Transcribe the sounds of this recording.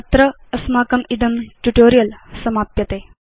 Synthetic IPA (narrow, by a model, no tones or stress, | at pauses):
t̪ɾə | ɐsmaːkɐmid̪ɐmʈuʈoɾijəlsɐmaːpjɐt̪eː